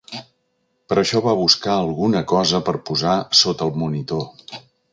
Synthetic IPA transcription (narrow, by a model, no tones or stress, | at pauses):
pəɾəʃɔβaβuskaəlˠɣunəkɔzəpəɾpuzasot̪əlˠmunit̪o